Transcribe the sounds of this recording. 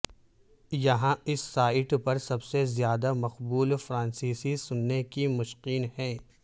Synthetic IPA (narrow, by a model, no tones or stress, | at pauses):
jɐɦãɪsːaːɪʈpɐɾsɐbsezjaːd̪amɐqbuːlfɾãːnsiːsisʊnːekimʊʃqiːnɦɛ̃ː